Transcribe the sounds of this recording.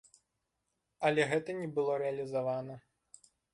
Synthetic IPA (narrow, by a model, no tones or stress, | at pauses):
ɐlʲɛɣɛt̪ɐnʲɛbɨlˠɔɾɛɐlʲizavanɐ